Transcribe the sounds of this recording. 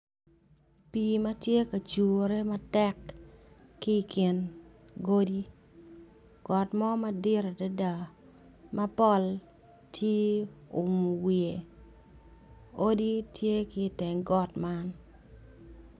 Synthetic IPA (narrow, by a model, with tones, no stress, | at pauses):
pi˨ma˦tje˦ka˨t͡ʃu˨o˨ɾe˦ma˦tɛ˦kː | i˦˨kʰɪ˨n | ɡo˦di˦ | ɡ̥ɔ˨tmɔ˦ma˦dɪ˦ɾe˨da˦da˨ | mʔa˦pɔ˦l | tʰe˦ʊ˨mu˨wie˨ | o˦di˦tje˦kɪ˦˨tɪ˨ŋɡɔ˨tma˦n